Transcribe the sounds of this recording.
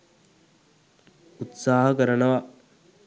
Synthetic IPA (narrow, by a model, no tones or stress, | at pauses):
ut̪saːɦəkəɾənəʋa